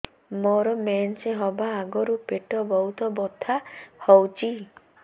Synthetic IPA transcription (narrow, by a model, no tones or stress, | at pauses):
mɔɾɔmenseɦɔbaːɡɔɾupeʈɔbɔɦut̪ɔbɔt̪ʰahɔwt͡ʃʰi